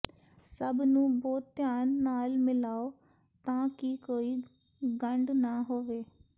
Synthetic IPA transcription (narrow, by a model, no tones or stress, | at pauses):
səbnũːbɔːt̪t̪jaːnːaːlmɪlaːoː | t̪ãːkikoːiː | ɡəɳɖnaɦoːʋeː